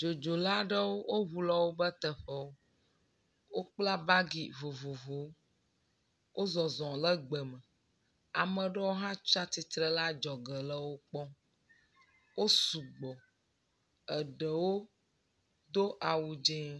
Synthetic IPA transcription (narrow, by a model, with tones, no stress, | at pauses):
d͡ʒo˨d͡ʒo˨la˦ɖə˦wo˦wo˦ɦu˨lɔ˦wo˦bə˦t̪ə˨ɸə˨wo˦ | wo˦k͡pla˦ba˦ɡi˨vo˨vo˨vo˨˦ | wo˦zɔ˨zɔ̃˨lə˦ɡ͡bə˨mə˨ | a˨mə̃˨ɖə˦wo˦ɦã˦t͡ʃa˦t̪i˨t̪ɾə˦la˦d͡ʒɔ˨ɡə˨lə˦wo˦k͡pɔ˦ | wo˦su˨ɡ͡bɔ˨ | ə˨ɖə˨wo˦ | d̪o˦ʔa˨wu˨d͡ʒɛ̃˦